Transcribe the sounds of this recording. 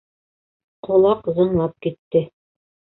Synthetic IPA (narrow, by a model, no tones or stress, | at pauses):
qŏlˠɑqzŏɴlˠɑp̚kit̪ːɘ